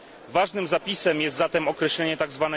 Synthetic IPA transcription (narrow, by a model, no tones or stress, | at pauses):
vaʐnɘmzapʲisɛmjɛst̪zat̪ɛmɔkɾɛɕlɛɲɛt̪aɡzvanɛ